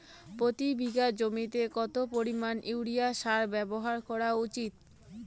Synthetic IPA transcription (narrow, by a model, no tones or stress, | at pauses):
pɾot̪ibʱiɡad͡ʑomit̪ekɔt̪opoɾimanʔiwɽijaʃaɾbɛboɦaɾkɔɾaut͡ɕit̪̚